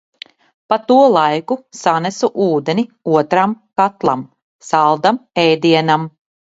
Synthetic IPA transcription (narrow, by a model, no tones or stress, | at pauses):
pat̪uɔlˠajkusanɛsuʔuːd̪enʲiuɔt̪ɾamkat̪lˠa̰m | salˠd̪amɛjd̪iɛnam